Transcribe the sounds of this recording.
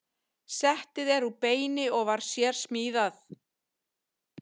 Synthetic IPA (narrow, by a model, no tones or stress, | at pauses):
sɛht̪ɪðɛɾupeːjnɪɔɣvaɾ̥sjɛɾ̥smiːðaθ